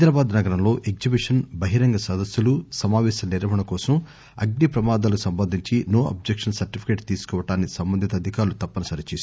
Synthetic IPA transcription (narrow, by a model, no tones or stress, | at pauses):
ɐd̪ɾaːbaːd̪nɐɡɐɾɐmlo̞ːʔeɡ̚d͡ʒibiʂɐnbɐɦiɾɐŋɡɐsɐd̪ɐsjulusɐmaːʋɛːsɐniɾɐʋɐɳɐkɔːsɐm | ɐ̰ɡnipɾɐmaːd̪aːlɐkusɐmbɐnd̪ʱiɲt͡ʃinoːʔɐ̰b̚d͡ʒekʂɐnsɐɾʈipʰi̥keːʈt̪iːsu̥kɔːʋɐʈaːnːisɐmbɐnd̪ʱit̪ɐːd̪ʱikaːɾlut̪ɐpːɐnɐsɐɾit͡ʃeːs